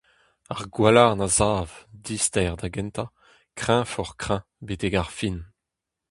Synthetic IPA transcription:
aʁɡwalaʁnazaːvdist̪ɛʁd̪aɡɛ̃nt̪a | kχɛ̃fɔʁkχɛ̃ | bet̪eɡaʁfin

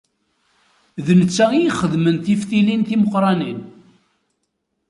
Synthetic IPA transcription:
ðnət͡sːæijiχəðmənθifθilinθiməqɾˤɑnin

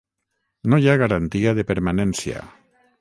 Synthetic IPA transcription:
nojaɣaɾant̪iaðepeɾmanensja̰

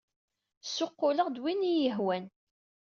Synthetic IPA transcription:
sʊqːʊləʁd̪winijəɦwæn

